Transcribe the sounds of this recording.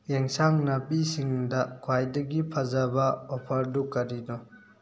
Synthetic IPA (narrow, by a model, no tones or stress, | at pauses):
jeŋsaŋnɐpisiŋdɐkʰwajdɐɡipʰɐzɐbɐɔpʰɐɾdukɐɾinɔ